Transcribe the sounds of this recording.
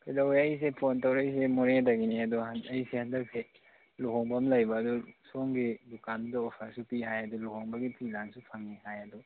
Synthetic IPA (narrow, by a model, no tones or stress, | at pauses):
pʰedawajs̬epʰontawɾajs̬emuɾedɐɡiniɐduɦanɐjsehandɐk̚se | luɦoŋbɐmlɐjbɐːdusoŋɡidukandɐopʰasupiɦajɐduluhoŋbɐɡipʰilansupʰaŋːihajɐdu